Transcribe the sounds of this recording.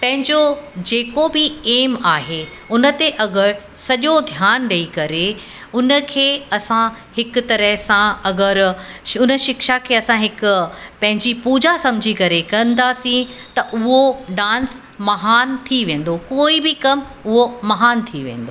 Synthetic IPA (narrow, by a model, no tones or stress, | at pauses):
pɐ̃ɦɪ̃ɲd͡ʑod͡ʑeːkobɪeːmaːɦe | ʊnə̆t̪eʔɐɡəɾ | sɐʄod̪ʱjaːnɗɐikɐɾe | ʊnə̆kʰeːɐsã | hɪkʊt̪ɐɾəɦsãɐɡəɾʊnəʃɪkʃakʰeːɐsãɦɪkʊpɐ̃ɦɪ̃ɲd͡ʑipuːd͡ʑasɐmɪd͡ʑʱikɐɾekɐ̃nd̪aːsĩt̪ɐʔʊɦoɖãːns | mɐɦaːnt̪ʰiʋẽːn̆d̪okoːibɪkɐm | ʊɦomɐɦaːnt̪ʰiʋḛ̃ːn̆d̪oː